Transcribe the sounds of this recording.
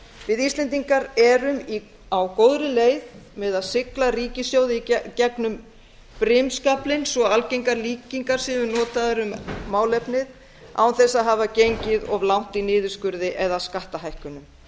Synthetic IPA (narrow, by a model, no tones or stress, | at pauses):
vɪðist̪lɛnt̪̬iŋkaɾɛɾʏmi | awkoːwðɾɪleːjðmɛðaðsɪklariːcɪsjoːwðɪicɛknʏm | pɾɪmskaplɪnsɔalcejŋkaɾliːciŋkaɾ̥sɪmʏnɔːt̪aðɾʏmːaːwlɛpnɪð | a̰wnθɛsaðɦaːvacejɲcɪðɔɣlawn̥t̪inɪːðʏ̥skʏɾðɪʔɛðaskaht̪aɦajhkʏnʏm